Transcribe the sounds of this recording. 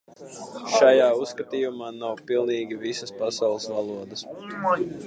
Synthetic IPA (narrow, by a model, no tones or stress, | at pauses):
ʃajaːusːkɐt̪iːjumaːnawpilˠniːɡʲivisəspasawlˠɨsvalˠuɔd̪əs